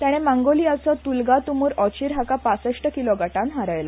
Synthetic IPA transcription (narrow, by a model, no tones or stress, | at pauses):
t̪aɽ̃emaŋɡoliat͡sɔt̪ulɡat̪umuːɾɔt͡ɕiːɾɦakapasəʂʈəkilɔɡaʈãnɦaɾəjla